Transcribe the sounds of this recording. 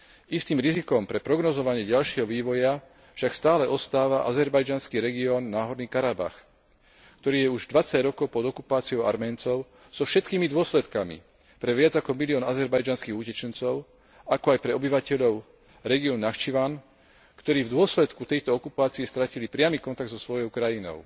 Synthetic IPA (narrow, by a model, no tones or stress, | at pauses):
ist̪iːmɾizikɔmpɾɛpɾɔɡnɔzɔʋaɲɪɛɟalʃɪɛɦɔʋiːʋɔja | fʃakst̪aːlɛʔɔst̪aːʋaʔa̰zɛɾbajd͡ʒanskiːɾɛɡiɔːnːaːɦɔɾniːkaɾaba̰x | kt̪ɔɾiːjɛuʒd̪ʋat͡saɟɾɔkɔʊpɔd̪ɔkupaːt͡siɔʊa̰ɾmɛːnt͡sɔʊ | z̥ɔfʃɛt̪kiːmid̪ʊɔslɛt̪kamḭ | pɾɛʋɪad͡zakɔmiliɔːnazɛɾbajd͡ʒanskiːɣucɛt͡ʃɛnt͡sɔʊ | akɔajpɾɛɔbiʋacɛʎɔʊ | ɾɛɡiɔːnːaʃt͡ʃiʋan | kt̪ɔɾiːvd̪ʊɔslɛt̪kut̪ɛjt̪ɔɔkupaːt͡siɛst̪ɾacilipɾɪamiːkɔnt̪aɡ̪̚zɔsʋɔjɔʊkɾajinɔ̰ʊ